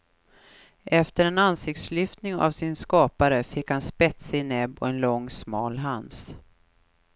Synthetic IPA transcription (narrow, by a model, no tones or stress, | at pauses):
ʔɛft̪əɾɛnansɪk̚t̪slʏft̪nɪŋa̰vsɪnskɑːpaɾəfɪkhanspɛt̪saɪnɛbːɔ̰ɛnlɔŋːsmɑːlɦans